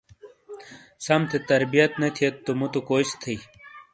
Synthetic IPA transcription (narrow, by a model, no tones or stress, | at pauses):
sɐmt̪ʰet̪ɐɾbijɐt̪net̪ʰijet̪ːumut̪okoːist̪ʰii